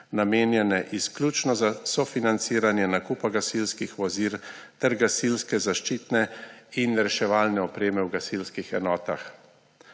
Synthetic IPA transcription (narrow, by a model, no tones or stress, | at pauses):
nameːnjɛnɛʔisklʲjut͡ʃnɔzasɔfinant̪siːɾanjɛnakuːpaɡasilskixʋɔziɾt̪ɛɾɡasilskɛzaʃt͡ʃiːt̪nɛinɾɛʃɛʋaːlnɛɔpɾeːmɛwɡasilskixɛ̰nɔːt̪ax